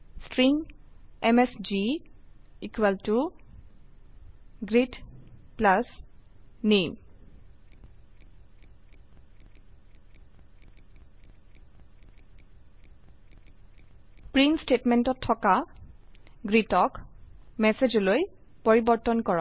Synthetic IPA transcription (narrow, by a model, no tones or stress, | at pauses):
stɹiŋɛmɛsd͡ʒi | ikwɛltu | ɡɹitplas | nem | pɹinstetmɛntɔtʰːɔka | ɡɹitɔkmɛsed͡ʒɔlojpoɹibɔɹtɔnkɔɹɔ